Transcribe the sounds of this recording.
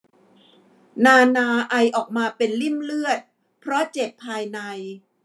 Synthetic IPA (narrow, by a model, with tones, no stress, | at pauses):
naː˧naː˧ʔa˧jʔɔː˨˩k̚maː˧pe˧nli˥˩mlɯ˥˩ət̪̚ | pʰɾɔ˦˥t͡ɕe˨˩pʰːaː˧jna˧j